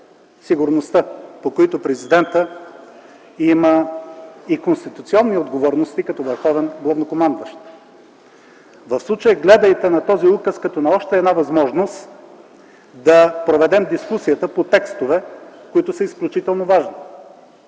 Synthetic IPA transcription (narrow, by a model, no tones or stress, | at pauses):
siɡʊɾnost̪əpokoit̪ʊpɾɛzid̪ɛnt̪ə | imə | ikonst̪it̪ut̪siɔnːiod̪ɡovɔɾnost̪ikɐt̪ɔvəɾxɔvɛnɡlˠɐvnokomand̪əʃt̪ | vɐfslˠut͡ʃəjɛɡlɛd̪əjt̪ɛnɐt̪ɔziukəskɐt̪ɔnɐɔʃt̪ɛːd̪navɐzmɔʒnost̪ | d̪ɐpɾovɛd̪ɛmd̪iskusijət̪əpot̪ɛkst̪ovɛkoit̪ʊsəisklʲut͡ʃit̪ɛlˠnovaʒni